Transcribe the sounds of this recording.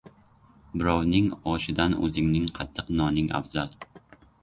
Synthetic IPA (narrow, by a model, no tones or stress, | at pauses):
bɪɾɒwnɪŋɒʃɪd̪anɵ̰zɪŋnɪŋqʰɑt̪ʰːɨqnɒnɪŋa̰fzalˠ